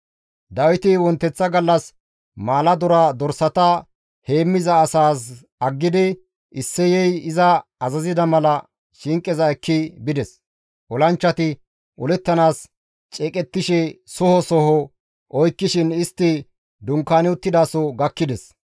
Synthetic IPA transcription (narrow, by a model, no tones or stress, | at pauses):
d̪ɐwɪt̪ɪwɔnt̪ːɛt͡sːɐɡɐlːɐs | maːlɐd̪ɔɾaːd̪ɔɾsɐt̪ɐ | he̞ːmːɪzɐːsaːs | ɐɡːɪd̪ɪ | ɪsːɛjɛjɪzɐːzɐzɪd̪ɐmɐlɐ | ʃɪŋkʼːɛzɐɛkːɪbɪd̪ɛs | ɔlɐnt͡ʃːɐt̪ɪ | ʔɔlɛt̪ːɐnaːs | t͡ʃʼɛːkʼɛt̪ːɪʃɛsɔhɔsɔhɔ | ʔɔjkːɪʃɪnɪst̪ːɪ | d̪ʊŋkːaːnɪʊt̪ːɪd̪aːsɔɡɐkːɪd̪ɛs